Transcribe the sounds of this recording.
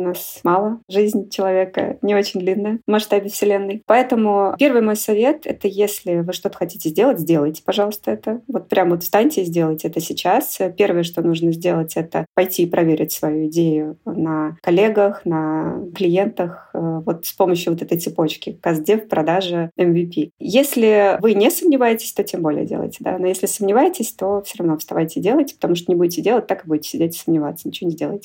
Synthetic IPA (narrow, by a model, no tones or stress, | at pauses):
nasmalˠəʐɨzʲnʲt͡ɕɪlˠɐvʲekə̰nʲɪo̞t͡ɕɪnʲd̪lʲinːəjəmɐʂt̪abʲɪfsʲɪlʲenːɨjpɐɛt̪əmʊpʲe̞rvɨjmo̞jsɐvʲe̞t̪ɛ̰t̪əjesʲlʲɪvɨʂt̪o̞t̪ə̥xɐtʲi̥tʲɪzʲdʲe̞lˠətʲzʲdʲe̞lˠəjtʲɪ̥pɐʐɑlˠəst̪əɛt̪əvo̞t̪̚pɾʲamvo̞t̪st̪anʲtʲɪzʲdʲe̞lˠətʲɛt̪əsʲɪt͡ɕaspʲe̞rvəjəʂt̪o̞nuʐnəzʲdʲelˠətʲɛt̪əpɐjtʲiːpɾɐvʲeɾʲɪtʲsvɐjuɪdʲejʊnəkɐlʲe̞ɡəxnəklʲɪjent̪əxvo̞t̪spo̞məɕːjʊvo̞t̪ɛt̪əjt̪sɨpo̞t͡ɕkʲɪkɐzdʲefpɾɐd̪aʐɨɛmvʲipʲijesʲlʲɪvɨnʲɪsəmnʲɪvajɪtʲɪ̥sʲt̪o̞tʲe̞mbo̞lʲɪ̰jə̰dʲelˠə̰jtʲɪd̪a̰no̞jesʲlʲɪsəmnʲɪvajɪtʲɪsʲt̪o̞fsʲoɾɐvno̞st̪ɐvajtʲɪdʲe̞lˠəjtʲɪ̥pət̪ɐmuʂ̬t̪onʲɪbudʲɪtʲɪdʲelˠət̚ʲt̪akɨbudʲɪtʲɪ̥sʲɪdʲetʲɪ̥səmnʲɪvat̪sənʲɪt͡ɕɪvnʲɪzʲdʲelˠəjtʲɪ